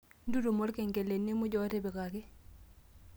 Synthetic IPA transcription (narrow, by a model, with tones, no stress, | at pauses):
ndu˦ɾo˨mo˦ɾke˨ŋke˨le˨nːe˦mʊ˦d͡ʒɔ˦te˦be˨ka˨kɪ˦